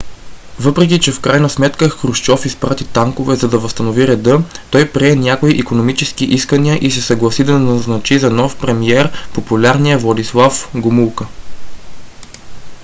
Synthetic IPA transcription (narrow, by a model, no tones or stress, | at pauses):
vɤpɾɛkit͡ʃɛfkɾajnɐsmɛt̪kəxɾuʃt͡ʃɔfispɾat̪it̪aŋkovɛzɐd̪ɐvɐst̪ɐnoviɾɛd̪ɤt̪ɔjpɾiɛnʲakoiʔikonomit͡ʃɛskiʔiskəniəʔisɛsɐɡlˠɐsid̪ɐnɐznɐt͡ʃizɐnɔfpɾɛmiɛɾpopulʲaɾnijəvlˠɐd̪islˠafɡʊmulˠkə